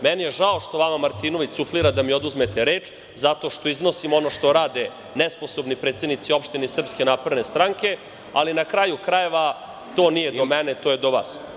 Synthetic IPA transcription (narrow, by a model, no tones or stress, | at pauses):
mɛnijeʒaoʂt̪o̞ʋamamaɾt̪inoʋisufliɾad̪amio̞d̪uzmet̪eɾe̞ːt͡ʃ | zat̪o̞ʃt̪o̞iznosimo̞no̞ʂt̪o̞ɾaːd̪e | nɛsposo̞bnipɾet̪se̞d̪nit̪sio̞pʃt̪inesr̩pskenaːpɾed̪nest̪ɾaŋke̞ | alinakɾajukɾaje̞ʋa | t̪o̞ːnijed̪omɛnet̪o̞jed̪oʋaːs